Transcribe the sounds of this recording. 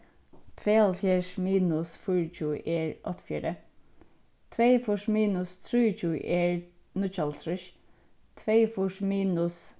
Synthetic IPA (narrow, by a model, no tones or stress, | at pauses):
t̪ʰʋeːɑlfjɛʂmiːnʊsfʊɹət͡ʃʰuːʔeːɹɔ̰t̪ʰfjɛːɾə | t̪ʰʋeːfʊʂmiːnʊst̪ʰɾuːt͡ʃʰṵːʔeːɹnʊt͡ʃɑlt̪ʰɾʊʃ | t̪ʰʋeːfʊʂmiːnʊs